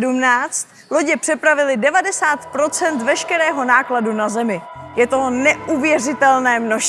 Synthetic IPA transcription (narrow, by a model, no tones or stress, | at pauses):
dumnaːt͡st̪ | lo̞ɟɪpr̝̥ɛpɾavɪlɪdɛvadɛsaːt̪pɾo̞t͡sɛnt̪vɛʃkɛɾɛːɦo̞naːkladunazɛmɪ | jɛt̪onɛʔuvjɛr̝ɪt̪ɛlnɛːmno̞ʃ